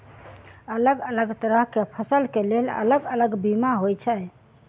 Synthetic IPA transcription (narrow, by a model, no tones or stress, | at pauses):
ələɡələɡt̪əɾəɦkepʰəsəlkelelə̰ləɡələɡbimaɦojt͡ʃʰəj